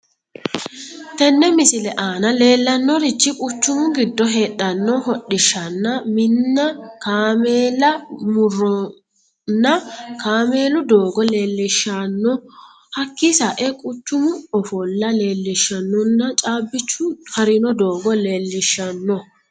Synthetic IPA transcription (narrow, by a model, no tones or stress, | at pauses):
t̪ɛnːɛmɪsɪlɛʔaːnɐle̞ːlːɐnːɔɾɪt͡ʃːɪkʼʊt͡ʃːʊmʊɡɪd̪ːɔɦe̞ːɗːɐnːɔɦɔɗɪʃːɐnːɐmɪnːɐkaːmeːlɐmʊrːɔ | nːɐkaːme̞ːlʊd̪o̞ːɡɔle̞ːlːɪʃːanːɔ | hɐkːɪsɐʔɛkʼʊt͡ʃːʊmʊɔfɔlːɐle̞ːlːɪʃːɐnːɔnːɐt͡ʃʼaːbːɪt͡ʃːʊhɐɾɪnɔd̪o̞ːɡɔle̞ːlːɪʃːɐnːɔ